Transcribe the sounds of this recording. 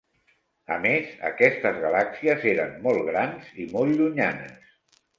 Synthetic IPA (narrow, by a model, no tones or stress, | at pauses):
əmezə̰kɛst̪əzɣalaksiəzeɾənːɔlˠɣɾanz̥imɔlˠʎuɲanə̰s